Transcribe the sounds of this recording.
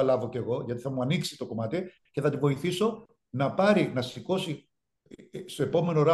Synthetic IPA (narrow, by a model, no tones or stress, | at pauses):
ɐlɐvo̞ce̞ɣo̞ʝɐt̪iθɐmuɐniksi̥t̪o̞ko̞mɐt̪i | ce̞θɐt̪ivo̞iθiso̞ | nɐpɐɾinɐsiko̞si | st̪o̞e̞po̞me̞no̞ɾɐ